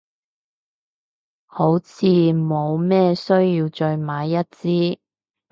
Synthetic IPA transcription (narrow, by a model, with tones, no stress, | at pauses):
ho˨˥wt͡sʰiː˧mo˨˧wmɛː˥sɵ˥ɥjiː˧wt͡ʃœ˧ɥmaː˨˧jːɐ˥t̚t͡siː˥